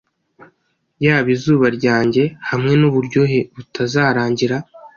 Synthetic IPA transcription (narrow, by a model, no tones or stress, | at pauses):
jaːβizuːβaɾɟaːɲɟe̞hamŋe̞nuβuɾɟo̞ɦe̞βutʰazaːɾaːɲɟiɾa